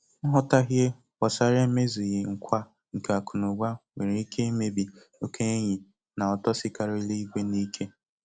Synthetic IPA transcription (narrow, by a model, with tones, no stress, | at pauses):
ŋ̩˦ɦɔ˦ta˦ɦje˦ | wɔ˨sa˦ɾe˦me˦zi˨ɣɪ˨ŋ̩˨kʷa˦ | ŋ̩˨ka˨kʰʊ˨nʊ˨ɡʷa˦we˨ɾe˨i˦kʰe˦i˦me˦bi˨ | o˦kʰe˦e˦ɲɪ˨ | na˨ɔ˨tɔ˦sɪ˦ka˨ɾo˦i˦le˦i˦kʷe˦ni˦kʰe˦